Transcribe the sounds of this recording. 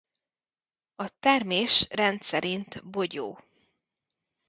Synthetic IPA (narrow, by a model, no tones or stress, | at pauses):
ɒt̪ɛrmeːʃrɛnt̪sɛɾʔint̪boɟo̰ː